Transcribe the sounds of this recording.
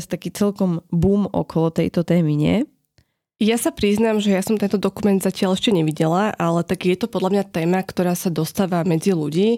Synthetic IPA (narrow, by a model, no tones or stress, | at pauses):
st̪akiːt͡sɛlkɔmbuːmʔɔ̰kɔlɔt̪ɛjt̪ɔt̪ɛːmiɲɪɛ̰ | jasapɾiznaːmʒɛjasɔmt̪ɛnt̪ɔd̪ɔkumɛnd̪zacɪalɛʃcɛɲɛʋiɟɛlaʔalɛt̪aɡjɛt̪ɔpɔd̪lʎamɲat̪ɛːmakt̪ɔɾaːsad̪ɔst̪aːʋamɛd͡ziluɟiː